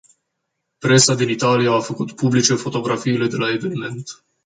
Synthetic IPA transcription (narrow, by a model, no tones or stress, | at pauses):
pɾe̞sad̪init̪alijaːfəkut̪publit͡ʃe̞fo̞t̪o̞ɡɾafiːle̞d̪e̞lae̞ve̞nime̞nt̪